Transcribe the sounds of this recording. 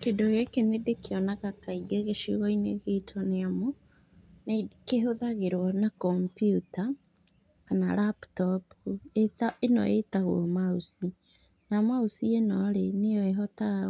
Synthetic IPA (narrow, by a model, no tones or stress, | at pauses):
kedoɣekenedekeɔnaɣakaid͡ʒeɣeʃḭɣɔineɣetʰɔneamo | nekeɦoðaɣeɾwɔnakɔmpjuta | kana̰laptɔpetaenɔ̰etaɣwɔ̰mausi | namausienɔɾenejɔeɦɔtaɣ